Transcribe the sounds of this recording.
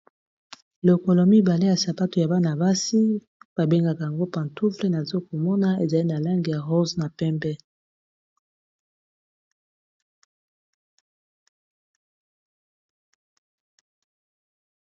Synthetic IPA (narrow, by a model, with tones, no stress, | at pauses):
lo˨ko˨lo˨mi˦ba˨le˦ja˨sa˨pa˦tu˨ja˨ba˦na˨ba˦si˦ | b̥a˨be˦ŋɡa˨ka˨ja˨ŋɡo˦pa˨ntu˦fle˦na˨zo˦ko˨mɔ˦na˦e˨za˨li˦na˨la˦ŋɡi˨ja˨ʁo˦zna˨pɛ˦mbɛ˦